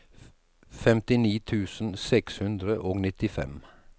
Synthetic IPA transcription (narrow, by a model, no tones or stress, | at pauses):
fɛmt̪ɪniːt̪ʰʉːsn̩sɛkshʉnd̪ɾəʔoːɡnɪt̪ɪfɛ̰m